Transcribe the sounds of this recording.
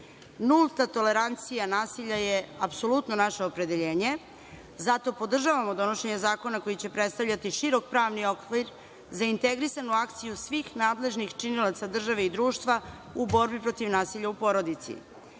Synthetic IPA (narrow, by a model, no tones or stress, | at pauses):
nulˠt̪at̪o̞le̞ɾant̪sijanaːsiʎajeapso̞lut̪no̞naʃeopɾe̞d̪e̞ʎe̞ːɲe̞ | zat̪o̞po̞d̪r̩ʒaʋamod̪o̞noʃe̞ɲe̞zaːko̞nako̞jit͡ɕe̞pɾet̪st̪avʎʲat̪iʃiɾo̞k̚pɾaːʋnio̞kʋiɾ | zaint̪e̞ɡɾisanuakt̪sijusʋiːxnaːd̪le̞ʒnixt͡ʃinilat̪sad̪r̩ʒaʋe̞id̪ɾuːʃt̪ʋa | ubo̞ɾbipɾo̞t̪iʋnaːsiʎaupo̞ɾo̞d̪it̪sḭ